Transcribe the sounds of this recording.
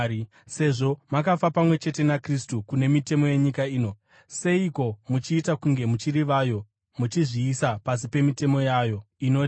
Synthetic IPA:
se̞ʐo̞makafapamwe̞t͡ʃe̞te̞nakristukune̞mite̞mo̞je̞ɲikaiːno̞ | se̞iko̞mut͡ʃiːtakuŋɡe̞mut͡ʃiriʋajo̞ | mut͡ʃiʐiːsapasipe̞mite̞mo̞jajo̞ | ino̞ːti

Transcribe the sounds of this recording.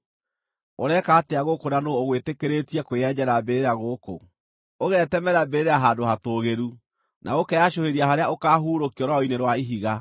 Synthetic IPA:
oɾɛkaːteaɣokonanoːɣwetekeɾeːtiɛkweɛd͡ʑɛɾabeɾeaɣoːko̰ | oɣɛtɛmɛɾabeɾeɾeaɦaːdohatoːɣeɾu | nʔa̰okɛaɕoheɾiaɦaɾeaokaːɦuːɾokiɔɾwaoineɾwaiɦiɣa

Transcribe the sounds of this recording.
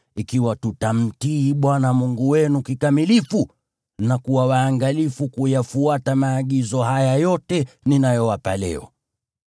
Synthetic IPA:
ikiwatutam̩tiːɓwanamuŋɡuwɛnukikamilifu | nakuwawaːŋɡalifukujafuatamaːɠizɔɦajajɔtɛninajɔwapalɛ̰ɔ̰

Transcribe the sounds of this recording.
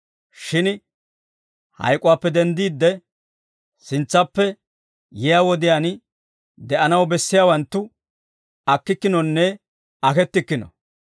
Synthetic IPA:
ʃɪn | hɐ̰jkʼʊwaːpːɛd̪ɛnd̪iːd̪ːɛ | sɪnt͡sːɐpːɛ | jɛjaːwɔd̪ɪjaːn | d̪ɛʔɐnɐwbɛsːɪjaːwɐnt̪ːʊ | ɐkːɪkːɪnɔnːɛ | ɐkɛt̪ːɪkːɪnɔ̰

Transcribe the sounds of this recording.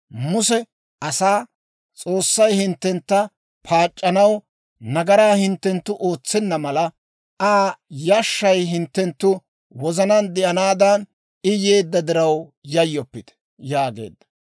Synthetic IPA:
mʊsɛ | ʔɐsaː | t͡sʼo̞ːsːɐjhɪnt̪ːɛnt̪ːɐ | pʰaːt͡ʃʼːɐnɐw | nɐɡɐɾaːhɪnt̪ːɛnt̪ːʊʔoːt͡sːɛnːɐmɐlɐ | aːjɐʃːɐjɦɪnt̪ːɛnt̪ːʊ | wɔzɐnɐnd̪ɛʔɐnaːd̪ɐn | ɪjeːd̪ːɐd̪ɪɾɐwjɐjːɔpːɪt̪ | jaːɡe̞̰ːd̪ːɐ̥

